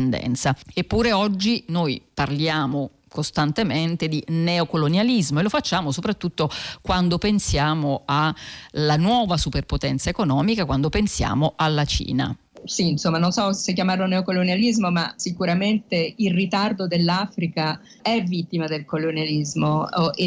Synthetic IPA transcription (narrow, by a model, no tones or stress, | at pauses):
nd̪ɛ̰nt̪saepːuːɾeɔd͡ʒːinojparljaːmo | kost̪ant̪ement̪ed̪inɛokolonjalizmoelofat͡ʃːaːmosopɾat̪ːut̪ːokwand̪opensjaːmoalanwɔːvasuperpot̪ɛnt̪saekonɔːmikakwand̪opensja̰ːmoʔalːat͡ʃḭːna̰ | siːnsomːanõnsɔsek̬ːjamarloneokolonalizmomasikuɾament̪eilrit̪ard̪od̪elːafɾika | ɛvit̪ːimad̪elkolonjalizmoe